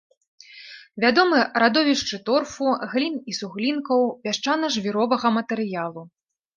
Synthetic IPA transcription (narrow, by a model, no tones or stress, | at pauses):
vʲad̪ɔmɨɾad̪ɔvʲiʂt͡ʂɨt̪ɔrfuɣlʲinisuɣlʲinkɐwpʲaʂt͡ʂanɐʐvʲiɾɔvɐɣɐmɐt̪ɛɾɨjalˠu